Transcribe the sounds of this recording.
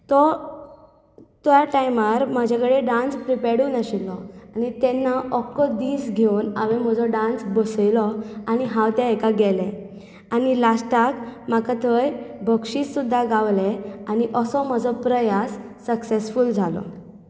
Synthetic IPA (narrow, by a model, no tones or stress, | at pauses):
t̪ɔ | t̪jaʈajmaɾmad͡ʑʱakəɽeɖãnspɾipɛɽuːnaɕilːɔanit̪ɛnːaʔɔkːɔd̪iːsɡʱeuna̰ʋem̤əd͡zɔɖãnsbəsjlɔañiɦãwt̪jaekaɡɛlɛ̃ | anilasʈakmakat̪ʰəjbʱəkʂisːud̪ʱːaɡaʋlɛañiʔəsɔm̤əd͡zɔpɾəjasː | əksesfuld͡zʱalɔ̰